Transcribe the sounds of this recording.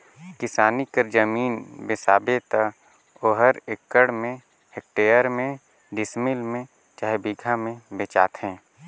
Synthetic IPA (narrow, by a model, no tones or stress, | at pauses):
kɪsaːnikəɾd͡ʒəmiːnbɪsaːbet̪a | oːɦəɾɪkːəɽmẽ | ɦɪk̚ʈeːjəɾmẽ | ɖɪsmɪlmẽ | t͡ʃaːɦebiːɡʱamẽbet͡ʃaːt̪ɦɛ̃ː